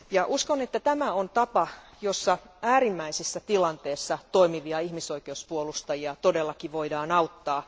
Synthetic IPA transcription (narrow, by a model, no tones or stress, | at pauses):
jɑʔuskonet̪ːæt̪æmæont̪ɑpɑ | josːɑæːɾimːæisisːæt̪ilɑnt̪eːsːɑt̪oimiʋiɑihmiso̞ikeuspuolust̪ɑjiɑt̪odelːɑkiʋo̞idɑːnɑut̪ːɑː